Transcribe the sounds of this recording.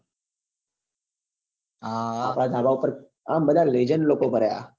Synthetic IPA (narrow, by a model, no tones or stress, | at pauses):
aa̰ːpɽad̪ʱaːbaupəɾ | aːmbəd̪ʱaled͡ʒənloːkobʱəɾaja̰ː